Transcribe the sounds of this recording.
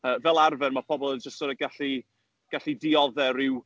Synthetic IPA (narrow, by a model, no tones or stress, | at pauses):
əːvɛlˠarvɛnmapʰɔbɔlˠənd͡ʒəstsoːdəɡaɬi | ɡ̥aɬidiɔðɛɾɪw